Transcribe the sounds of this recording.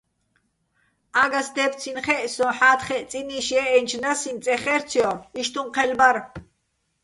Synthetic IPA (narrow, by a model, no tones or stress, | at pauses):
aɡasd̪ɛpt͡sʰinχɛʔsɔ̃ħaːt̪χɛʔt͡sʼiniʃɛʔɛnt͡ʃʰnasint͡sʼɛχɛɾt͡sʰjɔiʃt̪ʰuɴqʰɛlbaɾ